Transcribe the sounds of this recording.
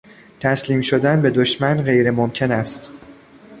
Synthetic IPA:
t̪ʰæsliːmʃod̪ænbe̞d̪oʃmænɢe̞jɾemomcʰe̞næst̪

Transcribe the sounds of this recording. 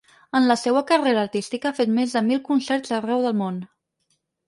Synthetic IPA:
ənləsewəkəreɾəːɾt̪ist̪ikəafet̪mezðəmilˠkunsɛɾzərɛwðəlˠmon

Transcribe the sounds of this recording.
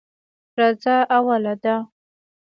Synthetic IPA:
ɾɑzaawalad̪a

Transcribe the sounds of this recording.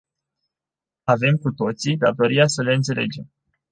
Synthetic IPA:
ave̞mkut̪o̞t̪sid̪at̪o̞ɾiasəle̞ɨnt̪se̞le̞̰d͡ʒe̞m

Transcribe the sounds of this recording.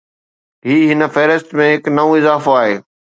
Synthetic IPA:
ɦiːɦɪnə̆fɛːɾɪst̪mẽɦɪknɐʋũɪzaːfoaːɦeː

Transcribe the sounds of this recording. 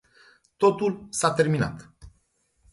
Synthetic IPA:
t̪o̞t̪ulsat̪e̞rmina̰t̪

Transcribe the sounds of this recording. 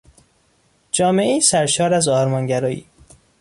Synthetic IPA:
d͡ʒɒːme̞ʔeiːsæɾʃɒːɾæzɒːɾmɒːnɟæɾɒːḭː

